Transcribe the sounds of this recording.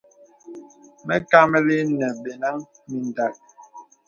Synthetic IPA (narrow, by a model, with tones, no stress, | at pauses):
mɛ˦ka˦mɛ˦li˦nɛ˨be˨na˦ŋ | mi˨n˨da˨k̚